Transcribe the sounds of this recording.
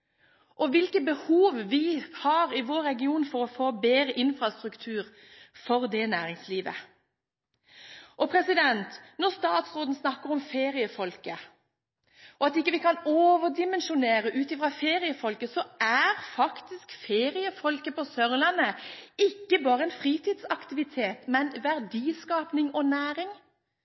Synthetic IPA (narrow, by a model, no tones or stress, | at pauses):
ʔɔʋɪlkəbəhuːʋʋɪhɑːʁɪʋoːɾːɛɡɪuːnfɔʁɔfoːbeːɾəʔɪnfʁɑst̪ʁʉkt̪ʰʉːʁ | fɔʁd̪ɛnæːʁɪŋsliːʋə̰ | ʔɔpʰɾɛsɪd̪ɛnt̪nɔʁst̪ɑːt̪sʁoːd̪n̩snɑkːəʁɔmfeːʁɪəfɔlkə | ɔɑt̪ɪkːəʋɪkɑnoːʋəd̪ɪmɛnʃʊneːɾəʔʉːt̪ɪfʁɑfeːʁɪəfɔlkəsɔæʁfɑkt̪ɪskfeːʁɪəfɔlkəpɔsœʁlɑnəɪkːəbɑːʁəɛnfʁiːt̪iːd̪sɑkt̪ɪʋɪt̪ʰeːt̪mɛnʋæʁd̪iːskɑːpnɪŋɔnæːɾɪŋ